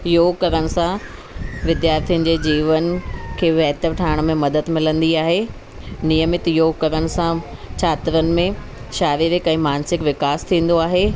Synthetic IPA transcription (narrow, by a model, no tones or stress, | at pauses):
joːɡ̚kɐɾəɽ̃ɪ̆sã | ʋɪd̪jaːɾt̪ʰiʊ̃n̆d͡ʑeːd͡ʑiːʋənkʰeːʋɛɦt̪əɾʈʰaːɪɽ̃mẽmɐd̪əd̪mɪlə̃nd̪iaːɦeː | nijəmɪt̪joːɡkɐɾəɽ̃ɪ̆sãt͡ɕʰaːt̪ɪɾənɪ̆mẽ | ʃaːɾiʋekɐ̃ĩmaːnsɪkʋɪkaːst̪ʰĩːn̆d̪oaːɦeː